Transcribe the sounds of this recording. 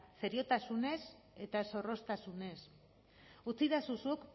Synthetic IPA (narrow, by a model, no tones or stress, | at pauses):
fe̞ɾio̞t̪asune̞s | e̞t̪aso̞ro̞st̪asune̞s | ut͡siðasusuk